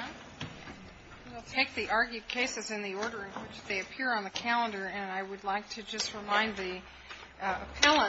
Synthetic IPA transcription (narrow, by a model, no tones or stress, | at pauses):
wilˠtʰeɪk̚ðiʔɑɹɡjʉd̚kʰeɪsɨzɨ̃nðiɔɹɾə˞ɨ̃nwɪt͡ʃðeɪɨpʰɪɹə̃nðɨkʰælˠə̃ndə˞ɨ̃naɪwɨdˡlaɪk̚tʰɨd͡ʒʌst̚ɹɨmãɪ̃nði | əpʰælˠə̃